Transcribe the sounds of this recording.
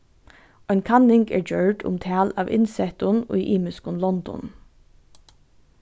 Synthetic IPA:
ʔɔɪnkʰɑnɪŋɡḛːɹd͡ʒœɹɖʊ̰mt̪ʰæːlɑːʋɪ̰nsɛt̪ʊnɔ̰iʔiːmʉskʊnlɔnd̪ɔ̰n

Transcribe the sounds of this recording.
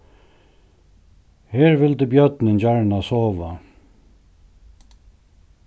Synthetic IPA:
heːɾʋɪld̪ʉːbjœt̪nənd͡ʒaɹnasoːʋa

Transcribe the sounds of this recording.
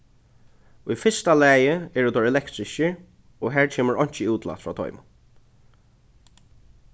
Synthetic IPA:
ujfɪst̪alæːjɪɛɹut̪ɔɹɛlɛkt̪ɾɪʃəɹ | ɔɦæːɹt͡ʃʰɛːməɹɔɲ̥t͡ʃɪuːt̪la̰t̪fɹaːt̪ʰɔ̰ʏmʊ̰n

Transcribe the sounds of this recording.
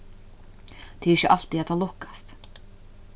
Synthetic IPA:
t̪ʰɪɾɪçəʔa̰l̥t̪iat̪ʰalɔhkḁst̪

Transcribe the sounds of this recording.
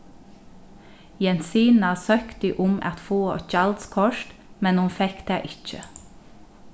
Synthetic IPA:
jɛnsiːnɑsœkt̪iʔʊmɑ̰t̪foːc͡çɑld̪skʰɔʃtmɛnhʊnfɛkd̪̥eːʔɪt͡ʃə̰

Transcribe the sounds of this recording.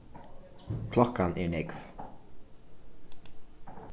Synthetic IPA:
kʰlɔkːanʔɛ̰nɛkv

